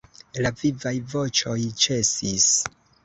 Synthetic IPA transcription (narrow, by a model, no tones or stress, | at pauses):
lavivajvo̞t͡ʃo̞jt͡ʃe̞sis